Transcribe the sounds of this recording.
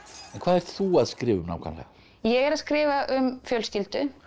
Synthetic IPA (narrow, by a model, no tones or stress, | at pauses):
ɛnkʰvaːðɛɾ̥t̪θuaðskɾɪːvʏmna̰wkʰa̰nlɛ̰a | jɛɣɛɾaðskɾɪːvaʔʏmfjœlscilt̪ʏ